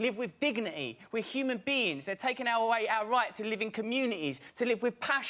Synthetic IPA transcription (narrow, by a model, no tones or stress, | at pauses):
lɪvwɪðdɪɡnɪtḭwɪð̥hjʉːmə̃nbiːɪ̃ŋzðətʰeɪkɪ̃ŋaʊəweɪaʊəɹaɪtʰəlɪvɪ̃nkʰəmjʉːnɪtiz̥tʰəlɪvwɪð̥pʰaʃ